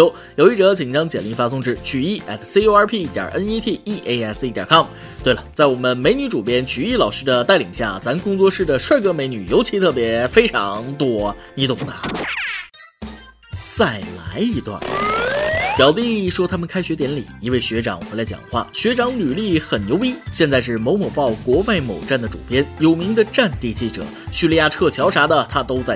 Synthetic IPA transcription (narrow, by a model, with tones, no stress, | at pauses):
jo˧˥ʊ | jo˨˧ʊi˥˩ʈ͡ʂɤ˧˥t͡ɕʰi˨˩ŋt͡ɕjɑ˥ŋt͡ɕjɛ˨˩li˧˥ŋfa˥sʊ˥˧ŋʈ͡ʂɻ̩˥˩t͡ɕʰy˨˩i˥˩ʔɛ̰˥˩sse˥o˥ʊə˞˧˥pʰi˥˩˥t̪jɑ̰˨˩ʔə˥ni˥t̪ʰi˥˩i˥˩ʔe˧˥ɪɛ˥˩si˥t̪jɑ̰˨˩kʰɑ˥˩m | t̪we˥˩ɪlə˩t͡sa˥˩ɪwɔ˨˩mə˦nme˧˥ɪny˧˥ʈ͡ʂu˨˩pjɛ˥nt͡ɕʰy˨˧i˥˩lɑ˨˩ʊʂɻ̩˥d̪ə˨t̪a˥˩ɪli˨˩ŋɕja̰˥˩t͡sa˧˥nkʊ˥ŋt͡swɔ˥˧ʂɻ̩˥˩d̪ə˩ʂwa˥˩ɪkɤ˧˥me˧˥ɪny˨˩jo˧˥ʊt͡ɕʰi˧˥t̪ʰɤ˥˩p̬jɛ˧˥fe˥ɪʈ͡ʂʰɑ̰˧˥ŋt̪wɔ˥ni˧˥t̪ʊ˨˩ŋd̪ə˩ | t͡sa˥˩ɪla̰˧˥ɪi˧˥t̪wa̰˥˩n | pjɑ˨˩ʊt̪i˥˧˥ʂwɔ˥t̪ʰa˥mə˨nkʰa˥ɪɕɥɛ˧˥t̪jɛ˧˥nlḭ˨˩˦i˧˥we˥˩ɪɕɥɛ˧˥ʈ͡ʂɑ̰˨˩ŋxwe˧˥ɪla˧˥ɪt͡ɕjɑ̰˨˩ŋxwa̰˥˩ɕɥɛ˧˥ʈ͡ʂɑ˧˥ŋly˨˩li˥˩xə˨˩nnjo˧˥ʊi˥ɕjɛ˥˧nt͡sa˥˧ɪʂ̬ɻ̩˥˩m˧˥ʊmɔ˨˩pɑ˥˩ʊkwɔ˧˥wa˥˩ɪmo˨˩ʊʈ͡ʂa˥˩nd̪ə˩ʈ͡ʂṵ˨˩pjɛ˥njo˨˩ʊmi˧˥ŋd̪ə˧ʈ͡ʂa˥˧nt̪i˥˧t͡ɕi˥˩ʈ͡ʂɤ̰˨˩˦ɕy˥˧li˥˧ja˥˧ʈ͡ʂʰɤ˥˩t͡ɕʰjɑ˧˥ʊʂa˧˥d̪ə˨t̪ʰa˥t̪o˥ʊt͡sa˥˩ɪ